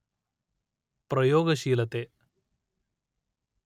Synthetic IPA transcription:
prɐjoːɡɐɕiːlɐt̪ːe

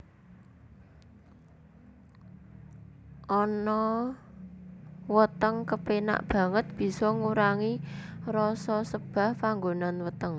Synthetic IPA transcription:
ʔɔnɔ | wət̪əŋkəpena̰ʔb̥ä̤ŋət̪̚b̥i̤sɔŋuɾaŋirɔsɔsəb̥a̤hpaŋɡonanwət̪əŋ

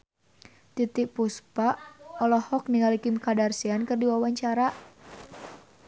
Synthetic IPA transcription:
t̪it̪iʔpuspaʔɔlɔhɔk̚niŋalikɪmkadarsiankɨrdiwawaɲt͡ʃaɾa

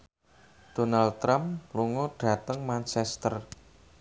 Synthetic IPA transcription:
d̪̥o̤nald̚t̪ːɾamluŋoɖ̥a̤t̪əŋmant͡ʃɛst̪ər

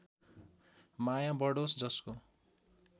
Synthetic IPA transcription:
majãbʌɽosd͡zʌsko

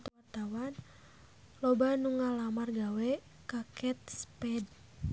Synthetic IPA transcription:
t̪wart̪awan | lɔbanuŋalamarɡawɛ | kakɛt̪̚spɛd

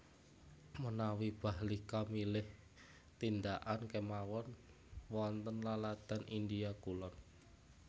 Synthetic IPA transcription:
mənawib̥a̤ɦlikamilɪh | t̪ind̪aʔankemawɔn | wɔnt̪ənlalad̪̥a̤nʔind̪ijaɡulɔn

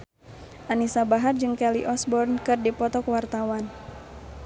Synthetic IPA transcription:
ʔanisabaɦard͡ʒɨŋkɛliʔɔsbɔrnkɨrdipɔt̪ɔkwart̪awan

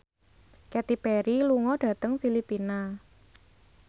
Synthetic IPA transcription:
kɛt̪ipɛɾiluŋɔɖ̥ä̤t̪əŋfilipina

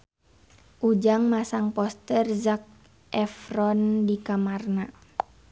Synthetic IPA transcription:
ʔud͡ʒaŋmasaŋpɔst̪ərzak̚ | ʔɛfrɔndikamarna

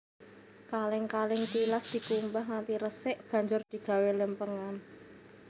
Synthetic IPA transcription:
kalɪŋkalɪŋt̪ilasd̪̥i̤kumbaɦŋant̪iɾəsɪʔb̥a̤ɲd͡ʒʊrd̪̥i̤ɡ̥ä̤weləmpəŋan

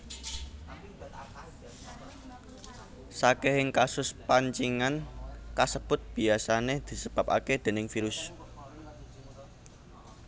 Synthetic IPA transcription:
sakeɦɪŋkasʊspaɲt͡ʃiŋankasəb̥ʊt̪̚b̥i̤asaned̪̥i̤səb̥a̤pa̰ked̪̥e̤nɪŋfiɾʊs

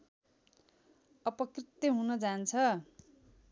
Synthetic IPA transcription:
ʌpʌkrit̪jʌɦunʌd͡zant͡sʰʌ

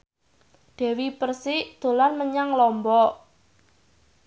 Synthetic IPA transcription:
d̪̥ɛ̤wipərsɪd̪̥o̤lanməɲaŋlɔmbɔ

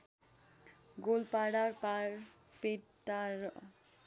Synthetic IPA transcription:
ɡolpaɽaɾpaɾ | pet̪ːaɾ

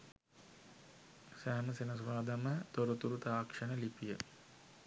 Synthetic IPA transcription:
sæɦməsenəsuʋaːd̪amət̪oɾut̪uɾut̪aːkʂənəlipijə

